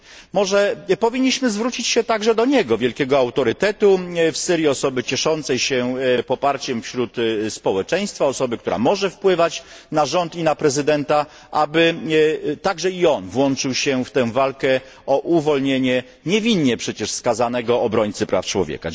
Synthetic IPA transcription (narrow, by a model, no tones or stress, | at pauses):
mɔʐɛpɔvʲiɲːiɕmɘzvɾut͡ɕit͡ɕɕɛt̪aɡʐɛd̪ɔɲɛɡɔvʲjɛlkʲɛɡɔawt̪ɔɾɘt̪ɛt̪ufsɘɾjiɔsɔbɘt͡ɕɛʂɔnt̪sɛjɕɛpɔpaɾt͡ɕɛmfɕɾut̪spɔwɛt͡ʂɛj̃st̪faɔsɔbɘkt̪uɾa̰mɔʐɛfpwɘvat͡ɕnaʐɔnt̪inapɾɛzɘd̪ɛnt̪a | ʔabɘ | t̪aɡʐɛiɔnvwɔnt͡ʂɘwɕɛft̪ɛ̃w̃valkɛ | ɔʔuvɔlɲeɲɛ | ɲɛvʲiɲːɛpʂɛt͡ɕɛʂskazanɛɡɔːbɾɔɲʲt̪sɘpɾa̰ft͡ʂwɔ̰vʲjḛka̰